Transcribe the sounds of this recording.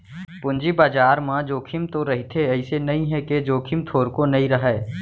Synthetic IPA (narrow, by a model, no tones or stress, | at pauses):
pʊnd͡ʒibaːd͡ʒaːɾmãd͡ʒoːkʰɪmt̪oɾɐɦit̪ʰeɛɪsenɐɦĩɦɛked͡ʒoːkʰɪmt̪ʰoːɾkonɐɦĩɾɐɦɛː